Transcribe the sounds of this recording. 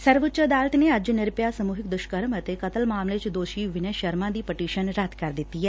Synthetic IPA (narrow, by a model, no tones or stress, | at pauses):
sɐɾʋʊt͡ʃəəd̪aːlət̪neɐd͡ʒnɪɾpjasəmuːɦɪk̚d̪ʊʃkəɾmɐt̪ekɐt̪əlmaːmlet͡ʃd̪oːʃiʋɪnəʃəɾmãːd̪iːpəʈiːʃənɾɐt̪kɐɾd̪ɪt̪ːiːɦɛː